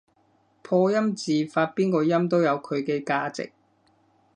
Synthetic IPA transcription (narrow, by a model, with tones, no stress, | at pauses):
pʰɔː˧jɐ˥mt͡siː˨faː˧t̚piː˥nkɔː˧jɐ˥mt̪o˥wjɐ˨˧wkʰɵ˨˧ɥkɛː˧kaː˧t͡sɪ̰˨k̚